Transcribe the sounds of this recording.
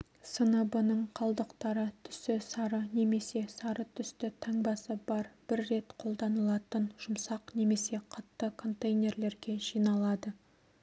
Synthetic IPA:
sənəbənəɴqʰɑlˠd̪əqt̪ɑɾət̪ʰʏ̥sɪsɑɾəne̞me̞se̞sɑɾət̪ʰʏst̪ɪt̪ʰɑŋbɑsəbɑɾb̥ɪɾːe̞t̪qʰo̞lˠd̪ɑnəlˠɑt̪ənʒ̥ʊmsɑqne̞me̞se̞qʰɑt̪ːəkʰo̞nt̪ejnʲe̞rle̞ɾɡʲe̞ʒijnɑlˠɑd̪ə

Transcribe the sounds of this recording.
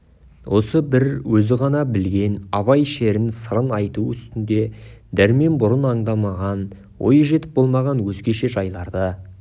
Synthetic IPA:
wʔo̞səbɪɾwɵzɪʁɑnɑbɪlɡʲe̞nɑβɑjʃe̞ɾɪnsəɾənɑjt̪uʏst̪ɪnd̪e̞d̪æɾme̞nbʊɾənɑɴd̪ɑmɑʁɑn | wo̞̰jəʒe̞t̪ɪ̥p̚b̥o̞lˠmɑʁɑnwɵzɡʲe̞ʃe̞ʒɑjlˠɑɾd̪ə

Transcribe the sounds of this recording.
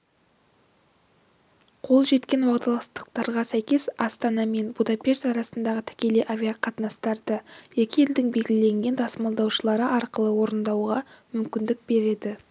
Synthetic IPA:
qʰo̞lˠʒe̞t̪kʲe̞nwɑqt̪ɑlˠɑst̪ə̥q̚t̪ɑɾʁɑsæjkʲe̞sɑst̪ɑnɑme̞nbud̪ɑpʲe̞ʃt̪ɑɾɑsənd̪ɑʁət̪ʰɪ̥kʲe̞le̞jʔavʲijaqʰɑt̪nɑst̪ɑɾd̪əje̞kʲɪje̞ld̪ɪŋbe̞lɡʲɪlɪle̞ŋɡʲe̞nd̪ʰɑsmɑlˠd̪ɑwʃəlˠɑɾəʔɑɾqəlˠəwo̞ɾənd̪ɑwʁɑmʏmkʲɪnd̪ɪk̚be̞ɾe̞d̪ɪ

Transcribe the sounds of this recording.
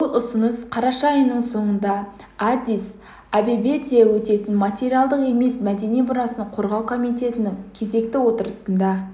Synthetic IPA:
bʊlˠʊsənəsqʰɑɾɑʃɑjənːəɴso̞ɴənd̪ɑ | ad̪is | ɑbibe̞t̪ijewɵt̪e̞t̪ɪnmat̪ʲe̞ɾijalˠd̪əqe̞me̞smæd̪e̞nijbʊɾɑsənqʰo̞ɾʁɑwkʰo̞mijt̪e̞t̪ɪnɪŋkʲʰe̞ze̞k̚t̪ɪwo̞t̪əɾəsənd̪ɑ

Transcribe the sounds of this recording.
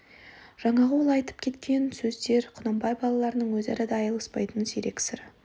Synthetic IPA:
ʒ̥ɑɴɑʁəwolˠɑjt̪ə̥p̚kʲʰe̞t̪kʲe̞nsɵzd̪e̞ɾqʰʊnɑmbɑjbɑlˠɑlˠɑɾənəɴwɵzɑ̰ɾɑd̪ɑɑjəlˠəspɑjt̪ənseɾe̞kʲsɪɾ

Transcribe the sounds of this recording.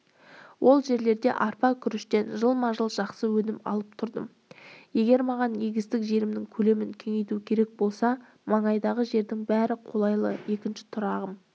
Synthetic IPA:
wʔo̞lˠʒe̞ɾle̞ɾd̪e̞̰ʔɑɾpɑkʲʰʏɾɪʃt̪e̞nʒəlˠmɑʒəlˠʒɑqsəwɵnɪmɑ̰lˠəp̚t̪ʰʊɾd̪ə̰m | je̞ɡʲe̞ɾmɑʁɑne̞ɡʲɪzt̪ɪkʒe̞ɾɪmnɪŋkʲʰɵle̞mɪŋkʲʰe̞ŋe̞jt̪ukʲʰe̞ɾe̞k̚bo̞lˠsɑ | mɑɴɑjd̪ɑʁəʒe̞ɾd̪ɪŋbæɾɪqʰo̞lˠɑjlˠə̰e̞kʲɪnʃɪ̥t̪ʰʊɾɑʁəm

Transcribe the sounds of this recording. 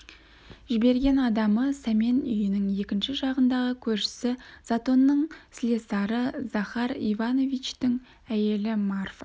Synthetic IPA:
ʒɪbe̞ɾɡʲe̞nɑd̪ɑməsæme̞nʏ̰jɪnɪŋe̞kʲɪnʃɪʒɑʁənd̪ɑʁəkʲʰɵɾʃɪ̥sɪz̥at̪o̞nːəɴslesɑɾəz̥ɑχɑɾḭvɑno̞vijt͡ʃt̪ɪŋ | æje̞lɪmarf

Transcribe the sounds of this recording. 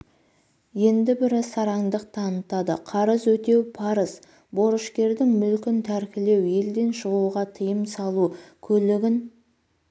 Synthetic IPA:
je̞nd̪ɪbɪɾɪsɑɾɑŋd̪əqt̪ʰɑnət̪ɑd̪ə̰qʰɑɾəzwɵt̪e̞wpʰɑɾəz | bo̞ɾəʃkʲe̞ɾd̪ɪŋmʏlkʲɪnt̪ʰæɾkʲɪle̞wje̞ld̪e̞nʃəʁuʁɑt̪ʰəjəmsɑlˠukʲʰɵlɪɡʲɪn

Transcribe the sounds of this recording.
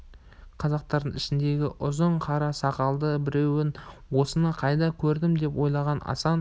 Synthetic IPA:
qʰɑzɑq̚t̪ɑɾd̪əŋɪʃɪnd̪e̞ɡʲɪ̰ʔʊzəɴqʰɑɾɑsɑqɑlˠd̪əbɪɾe̞wɪn | wo̞sənɑqʰɑjd̪ɑkʲʰɵɾd̪ɪmd̪e̞pwo̞jlˠɑʁɑnɑ̰sɑn

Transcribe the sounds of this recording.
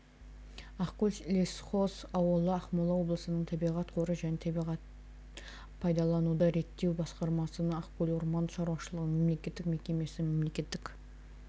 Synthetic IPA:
ɑqqulʲlʲesχosɑwəlˠəɑχmɑlˠɑwo̞blˠəsənəɴt̪ʰɑbijʁɑt̪qʰoɾəʒænet̪ʰbiʁɑt̪̚ | pʰɑjd̪ɑlˠɑnud̪ɑɾe̞t̪ːe̞wbɑsqɑɾmɑsənəɑqkulʲoɾmɑnʃɑɾuwɑʃəlˠəʁəɴme̞mle̞kʲe̞t̪ːɪkme̞kʲe̞me̞sɪme̞mle̞kʲe̞t̪ːɪk

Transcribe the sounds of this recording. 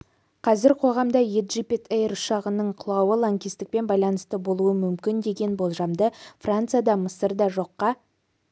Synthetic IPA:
qʰɑzɪɾqʰo̞ʁɑmd̪ɑjed̪ʒipʲet̪ejɾʊʃɑʁənəɴqʰʊlˠɑwəlˠaŋkʲist̪ɪk̚pe̞nbɑjlˠɑnəst̪əbo̞lˠuəmʏmkʲɪnd̪e̞ɡʲe̞nbo̞lˠʒɑmd̪əfrant̪sɨjad̪ɑməsəɾd̪ɑʒo̞qːɑ

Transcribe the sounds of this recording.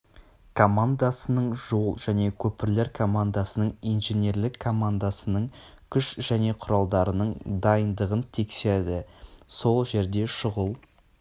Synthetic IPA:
kʰomand̪asənəɴʒo̞lˠʒæne̞kʲʰɵpɪɾle̞ɾkʰo̞mand̪asənəɴijnʒenʲe̞ɾlɪkʰːo̞mand̪asənəɴ | kʲʰʏʃʒ̥æne̞qʰʊɾɑlˠd̪ɑɾənəɴd̪ɑjənd̪əʁənt̪ʰe̞kse̞ɾd̪ɪso̞lˠʒe̞ɾd̪e̞ʃəʁəlˠ

